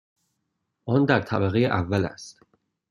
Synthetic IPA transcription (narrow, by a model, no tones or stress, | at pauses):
ʔɒnd̪æɾt̪ʰæbæɣejeʔævːælæ̰st̪